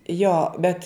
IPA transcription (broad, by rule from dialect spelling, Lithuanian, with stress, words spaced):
ˈjoː bʲɛt